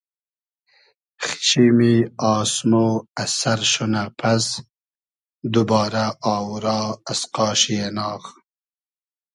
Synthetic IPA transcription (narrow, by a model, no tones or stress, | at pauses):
xi̥ʃimiɑːsmoasaɾʃonapʰas | d̪ubɑːɾaɑːwɾɑːasqɑːʃijenɑːɣ